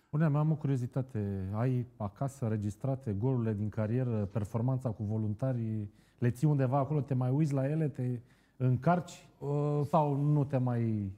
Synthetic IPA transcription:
puneameamokuɾio̞zit̪at̪ʰe̞ajakasəɾe̞d͡ʒist̪ɾat̪e̞ɡo̞luɾiled̪iŋkaɾije̞ɾəpe̞rfo̞rmant̪sakuvo̞lunt̪arʲ | le̞t̪sijund̪e̞vaːko̞lo̞t̪e̞majujt̪sʲlaje̞le̞t̪e̞ | ɨŋkart͡ʃʲ | əsawnut̪e̞maj

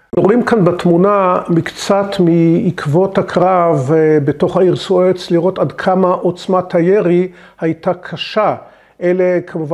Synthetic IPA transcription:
oʁimkanbetmunamikt͡satmiːkʰvo̞thakʁavbeto̞χhaiʁsuet͡sliʁo̞tadkʰamaʔot͡smatʰajeʁi | hajtakʰaʃa | ʔelekʰamuv

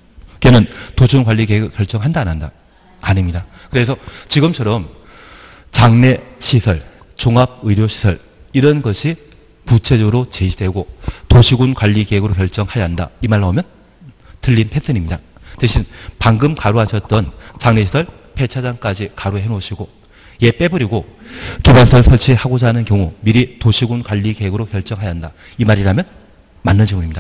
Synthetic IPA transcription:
iɡenɯntoɕʰuunkwaʎːikeɡɯkjʌɭt͡ɕ͈ʌŋɦandanandaː | nimɲidakɯɾe̞sʰʌt͡ɕiɡɯmt͡ɕʰʌɾʌm | t͡ɕaŋne̞ɕʰisʰʌɭ | t͡ɕoŋab̚ɯiɾjoɕʰi̥sʰʌ̰ɭ | iɾʌnɡʌɕʰi | put͡ɕʰe̞d͡ʑʌɡɯɾot͡ɕeɕʰidwe̞ɡotoɕʰiɡunkwaʎːikeɦeɡɯɾokjʌɭt͡ɕ͈ʌŋhajaɦanda̰imaɭːaomjʌn | tɯʎːinpʰe̞sʰɯnimɲidatweɕʰinpaŋɡɯmkaɾoɦaɕʰʌt̚t͈ʌnt͡ɕaŋneɕʰi̥sʰʌɭ | pʰe̞t͡ɕʰad͡ʑaŋk͈ad͡ʑikaɾoeɦenoɕʰiɡo | je̞p͈e̞bɯɾiɡokibansʰʌɭsʰʌɭt͡ɕʰihaɡod͡ʑanɯnkjʌŋumiɾitoɕʰiɡunkwaʎːikeɦeɡɯɾoçjʌɭt͡ɕ͈ʌŋɦajaɦanda | imaɾiɾamjʌn | manːɯnt͡ɕʰʌŋunimɲid̥a

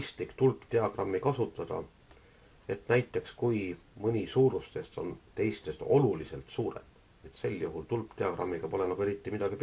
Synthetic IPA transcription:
st̪likt̪ulpt̪e̞ɑɡ̥rɑmːikɑsut̪ːˑɑd̪̥ɑ̰ | e̞t̪næjt̪ːˑe̞kskujmɤnʲisuːɾust̪e̞st̪o̞̰nt̪e̞jst̪e̞st̪o̞lulise̞lt̪suːɾe̞̰m | et̪se̞ljuɦult̪ulpt̪e̞ɑkrʔɑ̰mːiɡ̥ɑpo̞le̞nɑkɡueɾit̪ːˑimid̪̥ɑɡ̥ip

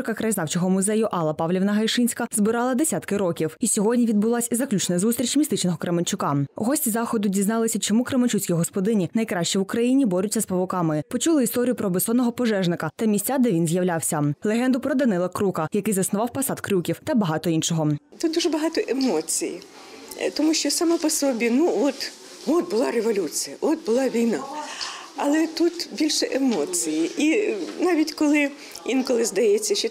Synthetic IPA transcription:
ɾkɐkɾɐjznɑwt͡ʃɔɦɔmʊzɛjʊʔɑlˠːɐpɑwlʲiʋnɐɦɐjʃɪnʲsʲkɐzbɪɾɑlˠɐd̪esʲat̪kɪɾɔkʲiwisʲɔɦɔdʲnʲiʋʲid̪̚bʊlˠɑsʲizɐklʲut͡ʃnɐzust̪ɾʲit͡ʃmʲist̪ɪt͡ʃnɔɦɔkɾemɐnʲt͡ʃʊkɑ̰ɦɔsʲtʲizɑxɔd̪ʊdʲiznɑlˠɪsʲɐt͡ʃɔmukɾemɐt͡ʃut͡sʲkʲiɦɔspɔd̪ɪnʲinɐjkɾɑʃt͡ʃiwʊkɾɐjinʲibɔɾʲʊtʲːɐspɐʋɔkɑmɪpɔt͡ʃulˠɪist̪ɔɾʲijʊpɾɔbɪsɔnɔɦɔpɔʒɛʒnɪkɐt̪ɐmʲisʲt͡sʲad̪ɛʋʲinzjɐwlʲawsʲɐlˠeɦɛnd̪ʊpɾɔd̪ɐnɪlˠɐkɾukɐjɐkɪjzɐsnʊʋɑwpɐsɑd̪kɾʲukʲiwt̪ɐbɐɦɑt̪ɔinʃɔɦɔt̪ut̪̚d̪uʒɛbɐɦɑt̪ɔʔemoɔt͡sʲḭjḭ | t̪ɔmuʃʲt͡ʃɔsɐmɛpɔsɔbʲinuɔt̪ | ɔt̪̚bʊlˠɑɾeʋɔlʲut͡sʲijɐʔɔt̪̚bʊlˠɑʋʲijnɑ | ɐlˠɛt̪ut̪bʲilʲʃɛʔemɔt͡sʲijiʔinɑʋʲitʲkɔlˠɪ | ʋʲinkɔlˠɪzd̪ɐjɛt͡sʲːɐʃt͡ʃɔ

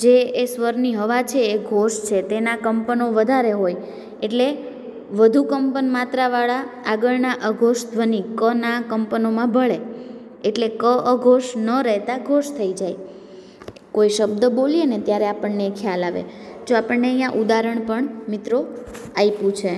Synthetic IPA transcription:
d͡ʒeːsʋəɾniɦəʋat͡ʃʰeːɡʱoʃt͡ʃʰet̪enakəmpənoʋəd̪ʱaɾeɦoj | eʈle | ʋəd̪ʱukəmpənmat̪ɾaʋaɭaːɡəɭnaʔəɡʱoʃd̪ʱʋənikənakəmpənomãbʱəɭe | eʈlekəʔəɡʱoʃnəɾɛɦt̪aɡʱoʃt̪ʰəid͡ʒaj | koiʃəbd̪əbolijenet̪jaɾeapəɳːeːkʰjalaʋḛd͡ʒoapəɳːeəjãʔud̪aɾəɳpəɳmɪt̪ɾoaipũt͡ʃʰe

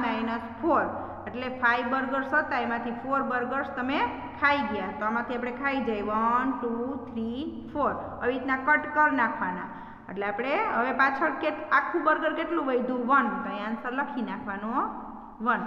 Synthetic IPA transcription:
majnəspʰoɾ | eʈlepʰajʋbəɾɡəɾsɦot̪aemãt̪ʰipʰoɾbəɾɡəɾst̪əme | kʰaiɡjat̪oamãt̪ʰiapɽ̃ekʰaid͡ʒajʋənʈut̪ʰɾipʰoɾ | əʋit̪nãkəʈkəɾnakʰʋana | ḛʈleapɽ̃eɦəʋepat͡ʃʰəɾkeakʰːũbəɾɡəɾkeʈlũʋəjd̪ʱũʋənt̪əẽansəɾləkʰinakʰʋano | ʋən

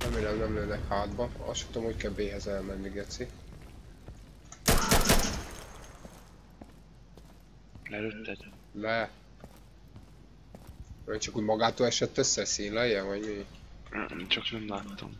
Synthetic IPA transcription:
rɛmeːlɛmnɛmløːnɛkhaːd̪bɒɒ̰sʃtɛ̥t̪omhockɛbeːɦɛzɛlmɛnːiɡɛt̪si | lɛløt̪ːɛd̪ | lɛ | ɛnt͡ʃɒkuɟmɒɡaːt̪oːlɛʃɛt̪ːøsːɛsiːnlɛjɛvɒɟmḭ | t͡ʃɒknɛmlaːt̪ːo̰m

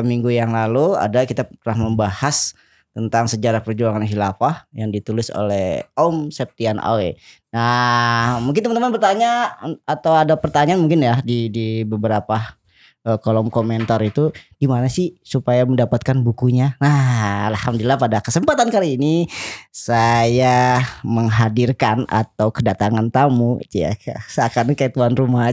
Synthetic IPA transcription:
miŋɡujaŋlalua̰dakit̪at̪əlahməmbahas | t̪ənt̪aŋsəd͡ʒaɾahpərd͡ʒuaŋanɦilapahjaŋdit̪ulɪso̰lɛhomsɛp̚t̪iana̰wena | muŋkɪnt̪əmənt̪əmanpərt̪aɲaːt̪awadapərt̪aɲanmuŋkɪnjadidibəbəɾapa | əkolɔmkomɛnt̪aɾit̪ud̥imanasɪhsupajaməndapat̪̚kanbukuɲanaalhamdlilapadakəsəmpat̪ankaliːnisajaməŋɦadirkana̰t̪awkədat̪aŋant̪amuḭt̪uja̰sakarnikat̪uanruma

